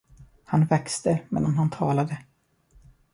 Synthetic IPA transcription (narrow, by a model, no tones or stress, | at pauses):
hanvɛkst̪əmɛ̰ːd̪anɦant̪ʰɑːlad̪ə